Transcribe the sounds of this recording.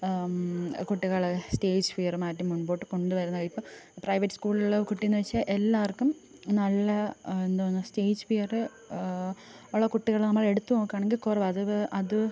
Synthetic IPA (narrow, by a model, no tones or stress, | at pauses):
kuʈːiɣɐɭste̞ːd͡ʑfijɐrmaːɐtːumːuɳbo̞ːʈːɨko̞ɳɖɨʋɐɾunːɐʋɐɭipːoːprɐjʋɐtːɨskuːɭɭːɐkuʈːijenːɨʋɐt͡ɕːɐʔelːaːɐrkːum | nɐlːɐend̪ɨpɐnːuste̞ːd͡ʑfijɐrɨ | uɭːɐkuʈːiɣɐɭnɐmːɐɭe̞ɽut̪ːuno̞ːkːaːɳe̞ŋɡilkurɐʋɐðɨʔɐðɨ